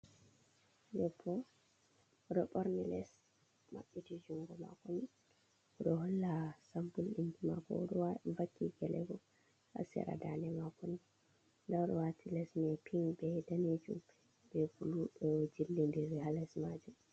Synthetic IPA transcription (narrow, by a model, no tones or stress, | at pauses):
jɔpʰːɔ | ɾɔɓɔɾnɛlɛs | ma̰ɓːitid͡ʒuŋɡɔma̰koni | ɗɔɦɔlːasambulinkima̰kɔ̰ɗɔavakːiɡɛlɛ̰ɡɔ | a̰sɛ̰ɾa̰danɛmakoni | ndaɗɔwatʰilɛsnɛpʰiŋbɛdaned͡ʒṵm | bɛfuluɗɔd͡ʒilːindiɾihalɛsmad͡ʒum